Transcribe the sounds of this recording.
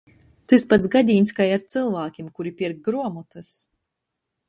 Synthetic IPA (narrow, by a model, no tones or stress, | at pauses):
t̪ɨspat̪sɡad̪ʲiːnʲskajaɾt̪sɨlˠvaːkʲimkuɾipʲiɾɡ̚ɡɾuɔmut̪ɨs